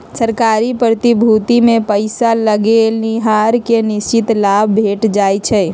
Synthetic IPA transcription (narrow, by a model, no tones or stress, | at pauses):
səɾkaːɾipɾət̪ibʱut̪imẽpəɪsaləɡelniɦaɾkenɪst͡ʃɪt̪laːbʱbʱeːʈd͡ʒaːjt͡ʃʰɛ